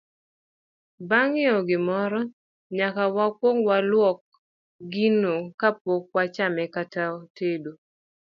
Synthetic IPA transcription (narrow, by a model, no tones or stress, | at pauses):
baŋɪɔɡɪmɔɾɔ | ɲakawakwoŋwalwɔk̚ | ɡinokapok̚wat͡ʃamɛkataɔtedo